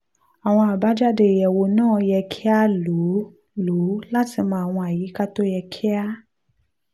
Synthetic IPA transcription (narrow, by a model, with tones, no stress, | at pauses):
a˨w̃ɔ̃˧a˨ba˨˦d͡ʒa˦de˧˨jɛ˨wo˧nãː˦˨jɛ˧kʰi˦a˦lu˨˦ | lu˨˦la˦ti˧mãː˧˨a˨w̃ɔ̃˧a˨ji˨˦ka˦to˦jɛ˧kʰi˦a˦